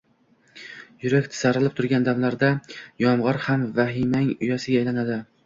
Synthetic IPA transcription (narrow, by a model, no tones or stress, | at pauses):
jʊɾakʲt̪ʰɪ̥saɾɪlɪp̚t̪ʰʊɾɡʲand̪amlaɾd̪ajɒmʁɒɾhamvaɦɪmaŋʊjasɪɡʲaːjlanad̪ɪ